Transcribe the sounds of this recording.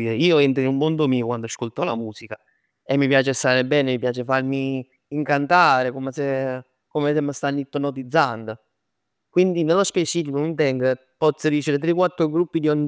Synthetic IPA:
iɾeiːoɛnt̪ɾinulmond̪omiːokwand̪oaskolt̪ɔla̰muːsika | emːipjaːt͡ʃest̪aːɾebɛːnemipjaːt͡ʃefarmiː | ŋkant̪aːɾekomese | komesemːəst̪anːit̪ːonot̪id̪zːand̪o | kwind̪inelːospet͡ʃiːfikonunt̪ɛŋɡə | pɔt̪sːəd̪iːt͡ʃeɾet̪̬ɾekwat̪ːɾoɡɾupːid̪iɔn

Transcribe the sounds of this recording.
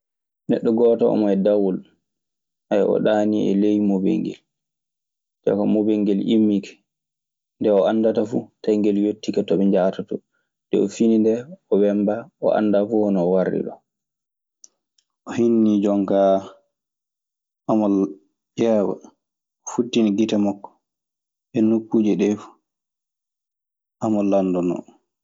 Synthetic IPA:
nɛɗːɔɡɔtɔɔ̰majɛdawul | ajɔ̰ɗaniɛ̰lejmobɛ̰ŋɡɛ̰l | d͡ʒɔ̰kamobeŋɡɛlʔimːikʰɛ̥ | ndɛɔanːdatafutajŋɡɛljotːikatɔɓɛɲd͡ʒaːtatɔ | ndɛɔfinindɛɔwɛmbaɔ̰ʔa̰nːdafuhɔnɔːwarːḭɗɔ̰ | ʔɔhinːid͡ʒɔŋka | amɔ | jɛwa̰ | futːiniɡitamɔkːɔ̥ | ɛnːukːuːd͡ʒɛɗɛf | amɔlandɔnɔ̰

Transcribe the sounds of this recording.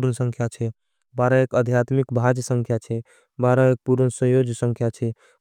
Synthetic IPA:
ɾənsə̃ŋkʰjat͡ʃʰɛ | baɾəekəd̪ʱjat̪mikbʱad͡ʒsə̃ŋkʰjat͡ʃʰɛ | baɾəek̚puɾənsə̃jod͡ʒʱsə̃ŋkʰjat͡ʃʰɛ

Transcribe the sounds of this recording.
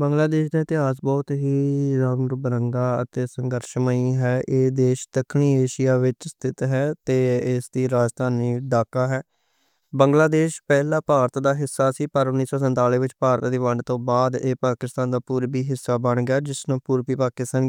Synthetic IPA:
bəŋɡlaːd̪eːʃd̪aːɪt̪ɪɦaːs̬bɔːt̪ɦiːɾaːnɾbəɾəŋɡ̪aːə̰t̪eːsəŋɡəɾʃməiːɦɛːʔeːd̪eːʃt̪əkʰɳiːeːʃijaːʋɪt͡ʃst̪ʰɪt̪ɦɛːt̪eːɪsd̪iːɾaːd͡ʒt̪aːniːɖaːkaːɦɛː | bəŋɡlaːd̪eːʃpɛːlãːpaːɾt̪d̪aːɦɪsːaːsiːpəɾʊnːiːsɔːsənt̪aːliːʋɪt͡ʃpaːɾt̪ːd̪iːʋəɳɖt̪õːbaːd̪eːpaːkɪst̪aːnd̪aːpuːɾbiːɦɪsːaːbəɳɡaːd͡ʒɪsnõːpuːɾbiːpaːkɪst̪aːn

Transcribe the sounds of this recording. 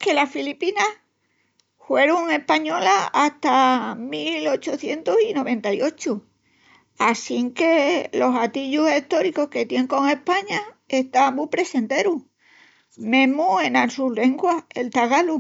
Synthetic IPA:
ke̞lasfilipina | hwe̞ɾuŋe̞hpaɲo̞laːht̪amilo̞t͡ʃoθje̞nt̪osino̞β̞ẽ̞nt̪ajo̞t͡ʃu | asiŋke̞lo̞sat̪iʎuse̞ht̪o̞ɾiko̞hke̞t̪je̞ŋko̞ŋe̞hpaɲae̞ht̪amupɾe̞se̞nt̪e̞ɾu | mẽ̞mue̞nalsule̞ŋɡwae̞̰lt̪aɣalu

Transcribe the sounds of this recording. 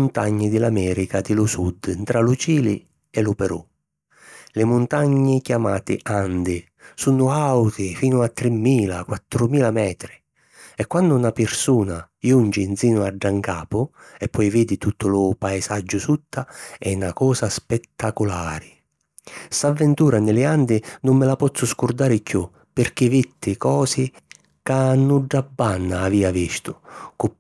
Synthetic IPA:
ʊnt̪aɲːɪd̪ɪlamɛːɾikad̪ɪlʊsud̪nt̪ɾalʊt͡ʃiːlɪ | ɛlʊpɛɾu | lɪmʊnt̪aɲːɪkjamaːt̪ɪ̰ʔand̪ɪ | sunʊawt̪ɪfiːnʊat̪ːɾɪmːiːlakwat̪ːɾʊmiːlamɛːt̪ɾɪ | ɛkːwand̪ʊnapɪrsuːna | jund͡ʒɪnsiːnʊaɖːaŋkaːpʊɛpːɔjviːd̪ɪt̪ut̪ʰːʊlʊpaesad͡ʒːʊsut̪ːaɛnakɔːsaspɛt̪ːakʊlaːɾɪ | savːɛnt̪uːɾanɪlɪand̪ɪnʊmːɪlapɔt̪sːʊskʊrd̪aːɾɪkju | pɪrk̟ɪvit̪ːɪkɔːsɪ | kanːʊɖːabːanːaːviːaviʃt̪ʊkʊ

